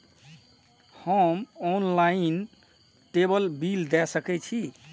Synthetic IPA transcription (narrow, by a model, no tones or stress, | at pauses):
həmɔnlain | ʈebəlbild̪ɛsəkɛt͡ʃʰi